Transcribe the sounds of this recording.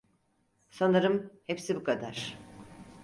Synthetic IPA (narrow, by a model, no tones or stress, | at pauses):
sanaɾɯmhepsibukʰad̪aɾ̥